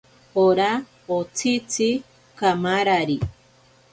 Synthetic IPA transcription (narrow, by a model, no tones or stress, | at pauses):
oɾa | ot͡sʰit͡si | kamaɾaɾi